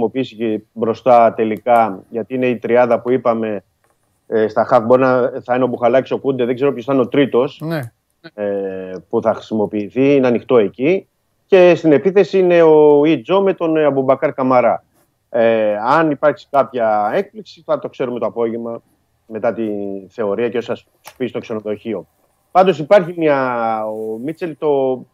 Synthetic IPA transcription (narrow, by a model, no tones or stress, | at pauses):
o̞piisicibɾo̞st̪ɐt̪e̞likɐʝɐt̪iine̞it̪ɾiɐðɐpuipɐme̞ | st̪ɐxɐfbo̞ɾinɐθɐineobuxɐlɐciso̞kund̪eðeɡze̞ɾo̞pjçost̪ɐnot̪ɾit̪o̞s | epuθɐxɾi̥simo̞piːθiineɐnixt̪o̞e̞ci | ce̞st̪ine̞piθe̞siine̞oid͡zo̞me̞t̪o̞nɐbubɐkɐɾkɐmɐɾɐ | eɐnipɐɾksi̥kɐpçɐe̞k̚pliksiθɐt̪o̞kse̞ɾume̞t̪o̞ɐpo̞ʝe̞mɐ | me̞t̪ɐt̪iθe̞o̞ɾiɐceosɐs | pist̪okse̞noðo̞çio̞ | pɐnd̪o̞sipɐɾçimiɐomit͡se̞lt̪o̞